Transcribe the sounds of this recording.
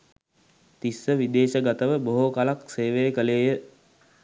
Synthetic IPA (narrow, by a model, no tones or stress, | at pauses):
t̪isːəʋid̪eːʃəɡat̪əʋəboɦokalakseːʋeːkəleːjə